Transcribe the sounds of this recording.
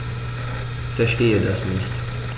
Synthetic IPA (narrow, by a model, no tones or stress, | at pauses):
fɛɐʃteːədasnɪçt